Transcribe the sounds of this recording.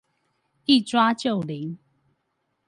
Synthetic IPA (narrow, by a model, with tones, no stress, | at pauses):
i˥˨t͡swa˦t͡ɕjo˥˨li˨˦ŋ